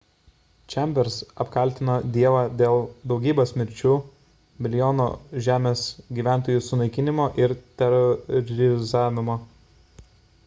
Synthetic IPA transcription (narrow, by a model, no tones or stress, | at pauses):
t͡ʃʲɛmʲbʲɛɾsɐpkɐlʲt̪ʲɪnoːd̪ʲiɛʋɑːd̪ʲeːlˠd̪ɒʊɡʲiːboːsʲmʲɪɾʲt͡ʃʲuː | mʲɪlʲjoːno̰ːʒʲæːmʲeːsɡʲiːʋʲæˑnˑt̪oːjuːsʊnɐɪkʲɪnʲɪmoːʔɪɾt̪ʲɛɾɔɾʲɾʲɪzɑːʋʲɪmoː